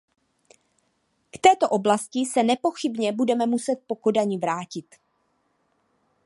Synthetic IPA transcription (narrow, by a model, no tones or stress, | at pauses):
kt̪ɛːt̪o̞ʔo̞blascɪsɛnɛpo̞xɪbɲɛbudɛmɛmusɛt̪̚po̞ko̞daɲɪvɾaːcɪt̪